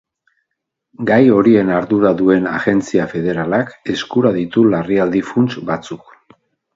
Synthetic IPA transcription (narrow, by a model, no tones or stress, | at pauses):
ɡajo̞ɾie̞naɾðuɾaðue̞naɣe̞nt͡siafe̞ð̞e̞ɾalake̞skuɾaðit̪ulariald̪ifunt͡ʃbat͡suk